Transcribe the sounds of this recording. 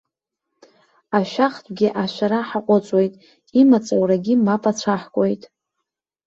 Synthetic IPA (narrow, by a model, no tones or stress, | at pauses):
aʃᶣaχtʷʼɡʲɪʔaʃʷᶣaɾaħaqʷʼʊt͡sʷʼwe̞jtʼ | imat͡sʼowraɡʲɪmapʼat͡ɕʷʰaħkʷʼojtʼ